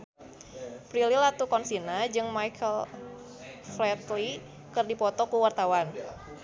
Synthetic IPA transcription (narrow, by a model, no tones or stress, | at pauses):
pɾililat̪ukɔnsinad͡ʒɨŋmajkʰəl | flɛt̪li | kɨrdipɔt̪ɔkuwart̪awan